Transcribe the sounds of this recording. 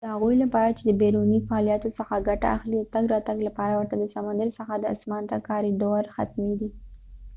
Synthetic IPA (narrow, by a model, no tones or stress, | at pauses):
d̪̥əhaɣujlapɑɾat͡ʃed̪əbeɾunifaɑlijɑt̪osəxaɡaʈa̰ʔaxliawt̪aɡɾɑt̪aɡlapɑɾawəɾt̪ad̪əsamand̪əɾisəxad̪əa̰smɑnt̪akɑɾid̪oɾxa̰t̪med̪i